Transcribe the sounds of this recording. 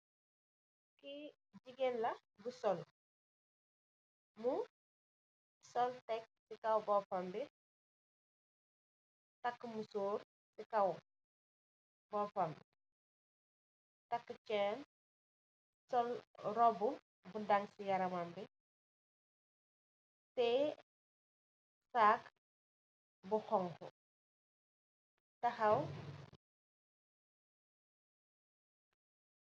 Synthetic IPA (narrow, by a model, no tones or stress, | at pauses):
ki | ɟiɡɛlːɐ | busɔl | mu | sɔltɛk̚sikɐwbɔfɐmbi | tɐkːəmusuːr | sikɐw | bɔfambḭ | tɐkːət͡ʃɛːn | sɔlɾɔbu | budɐŋsijɐɾɐmambi | tɛ | saːk | buxɔŋhṵ | tɐxɐw